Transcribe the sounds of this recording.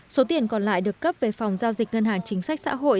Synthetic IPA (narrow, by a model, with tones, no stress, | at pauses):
so˨˦t̪i˨˩ənkɔ˨˩nla̰ː˧˨jɗɨ˨˩əkːə˦˥p̚ve˨˩fɔ˨˩wŋ͡mzaː˧wzï˨˩k̟̚ŋə˧nɦaː˨˩ŋt͡ɕï˨˦ŋ̟sa˦˥k̟̚sa̰ː˧˥ɦo̰˧˨j